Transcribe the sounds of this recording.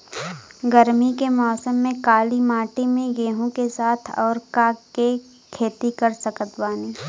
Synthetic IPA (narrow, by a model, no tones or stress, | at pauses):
ɡəɾmikemɔːsəmːẽkaːlimaːʈimẽɡeːɦõkesaːt̪ʰɔ̰ːɾkaːke | kʰeːt̪ikɐɾsəkət̪baːniː